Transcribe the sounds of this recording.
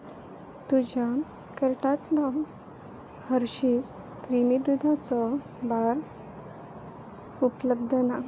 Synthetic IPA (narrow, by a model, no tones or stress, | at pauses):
t̪ud͡ʑa | kəɾʈat̪lɔ | həɾɕit͡s | kɾimid̪ud̪ʱat͡sɔ | baɾ | upləb̚d̪ʱəna